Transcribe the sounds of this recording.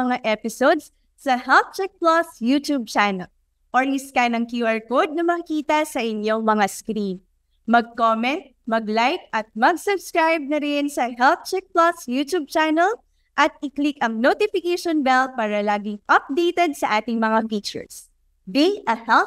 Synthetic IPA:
ɐŋaʔɛpɪsod̪s | sɐhɛlt̚t͡ʃɛk̚plɐsjut̪ub̚t͡ʃanɐl | ʔoɹʔɪskanɐŋkjuʔɐɹkod̪̚nɐmɐkiːt̪ɐsɐʔɪnjo̞mɐŋaskɾin | mɐɡ̚koːmɛnt̪̚ | mɐɡlajk̚ɐt̪̚mɐɡ̚sʊbskɹajb̚nɐɾɪnsɐɦɛlt̚t͡ʃɛk̚plɐsjuːt̪ub̚t͡ʃanɛl | ʔɐt̪̚ɪklɪkɐŋnot̪ɪfɪkejʃonbɛlpaːɾɐlaːɡɪŋʔɐp̚d̪ejt̪ɛd̪̚sɐʔaːt̪ɪŋmɐŋafik̚t͡ʃɛ̰ɹs | biʔɐhɛl

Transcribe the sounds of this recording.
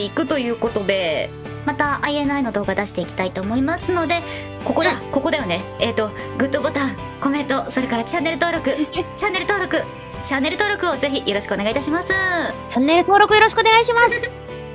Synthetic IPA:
ikɯ̟t̪o̞jɯ̟ːko̞t̪o̞d̪e̞ | mat̪aʔaie̞nɯaino̞d̪o̞ːɡad̪aɕi̥t̪e̞ikʲi̥t̪ait̪o̞ːmo̞imasɨno̞d̪e̞ | ko̞kod̪ako̞ko̞d̪ejone̞eːt̪ːo̞ɡɯ̟t̪ːobo̞t̪ãŋ | ko̞mẽ̞nt̪o̞so̞ɾe̞kaɾat͡ɕãnːe̞ɾɯ̟t̪oːɾo̞kɯ̟t͡ɕanːe̞ɾɯ̟t̪o̞ːɾo̞kɯ̟ | t͡ɕãnːe̞ɾɯ̟t̪o̞ːɾo̞kɯ̟o̞ze̞çijo̞ɾo̞ɕi̥kɯoneɡait̪aɕimasɨt͡ɕanːe̞ɾɯ̟t̪o̞ːɾo̞kɯjo̞ɾo̞ɕi̥kɯoneɡaiɕimas

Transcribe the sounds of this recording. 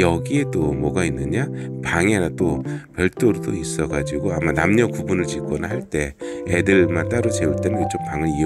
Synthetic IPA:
jʌɡie̞t͈omʌɡainːɯɲapaŋeɾat͈opjʌɭt͈oɾodois͈ʌɡad͡ʑiɡoamanamɲʌkubunɯɭt͡ɕik͈ʌnahaɭt͈e̞edɯɭmant͈aɾot͡ɕe̞uɭt͈e̞nɯnkɯt͡ɕ͈ʰopaŋɯɭi

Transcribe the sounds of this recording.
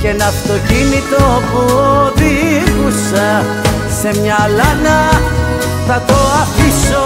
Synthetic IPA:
cenɐft̪o̞cinit̪opuðiɣusɐ | semɲɐlɐnɐ | θɐt̪oɐfiso

